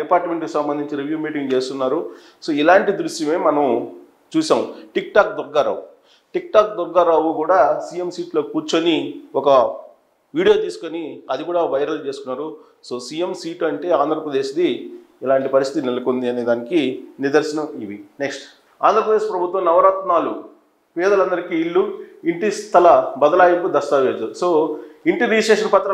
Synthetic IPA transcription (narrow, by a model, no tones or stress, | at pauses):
ɛpaːɾʈme̞ɳʈkusɐmbɐnd̪iɲt͡ʃiɾiʋjuːmiːʈiŋɡt͡ʃe̞ːst̪unːaːɾu | so̞ːilaːɳʈid̪ɾuʃjɐme̞ːmɐnɐm | t͡ʃuːʃaːmuʈik̚ʈaːk̚d̪ɔɡːaːɾa̰ːwu | ʈik̚ʈaːk̚d̪ɔɡːaːɾaːwukuːɽaːsijemsiːʈloːkipuːɾt͡ʃoniɔkɐ | ʋiːɽijo̞ːt̪iːsu̥koniɐd̪ikuːɽaːʋɐjɾɐlt͡ʃe̞ːsu̥k̪unːaːɾu | so̞ːsijemsiːʈɐɳʈe̞ːaːnd̪ʱɾɐpɾɐd̪e̞ːʃd̪i | ɛlaːɳʈipɐɾist̪it̪inelɐkond̪iɐneːd̪aːnikiniɾd̪ɐɾsɐnɐiʋineksʈ | a̰ːnd̪ʱɾɐpɾɐd̪eːʃpɾɐbʱut̪ʋɐmnɐʋɐɾɐt̪naːlu | pɛːd̪ɐlɐnd̪ɐɾikiːɭːuiɳʈist̪ʰɐlɐbɐd̪ɐlaːjɐmkud̪ɐst̪aːʋeːd̪usoːiɳʈidiːsʈeːʂɐnpɐt̪ːɾɐ